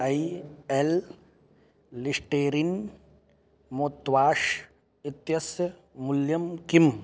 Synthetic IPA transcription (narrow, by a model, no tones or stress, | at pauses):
ɐiel | ɪsʈeːɾin | moːt̪ʋaːʃ | ɪt̪jɐsjə | mʊljɐmkim